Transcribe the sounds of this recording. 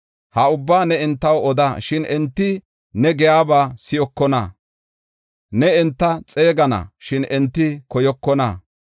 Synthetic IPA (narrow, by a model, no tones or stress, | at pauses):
hɐʊbːaːnɛɛnt̪ːɐwɔd̪aʃɪnʔɛnt̪ːɪ | nɛɡɛjaːbaːsɪjɔkːɔnɐ̰ | nɛɛnt̪ːɐt͡sʼe̞ːɡɐnɐ̰ʃɪnɛnt̪ːɪkɔjɔkːɔnɐ̰